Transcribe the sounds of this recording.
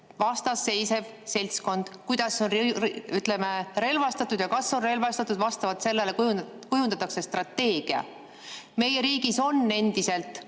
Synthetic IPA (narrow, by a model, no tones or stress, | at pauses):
vɑst̪ɑsːe̞jse̞v̥selʲt̪sko̞nd̪̥kujd̪̥ɑsːo̞nryt̪ˑle̞meɾe̞lvɑst̪ɑt̪ːˑud̪jɑkɑsːo̞nre̞lvɑst̪ɑt̪ːˑud̪vɑst̪ɑvɑt̪se̞lːe̞le̞kuj | kujund̪̥ɑt̪ːˑɑkse̞st̪rɑt̪ːe̞ːɡ̥iɑ̰ | me̞jeɾiːɡ̥iso̞nːe̞nd̪ise̞lt̪ˑ